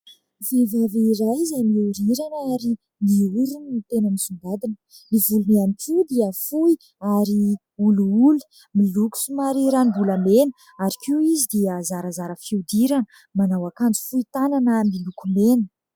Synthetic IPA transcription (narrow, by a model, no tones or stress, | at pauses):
vevaviiːɾajzajmiuɾiɾanaɾi | niuɾunnit̪enənisund̪ad̪in | mivulumianiʈ͡ʂud̪iəfui | aɾi | uluulu̥ | miluku̥sumaɾiɾanbulamenə̥ | aɾikʲuizid̪iəzaɾəzaɾəfiud̪iɾanə | manawakand͡zi̥fuit̪ananəmilukumenə